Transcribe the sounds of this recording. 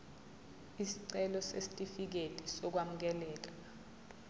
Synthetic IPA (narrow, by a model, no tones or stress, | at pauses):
isiǀɛlɔsesi̥tʼifik̬etʼisɔk̬wam̩k̬ɛlɛːk̬ʼḁ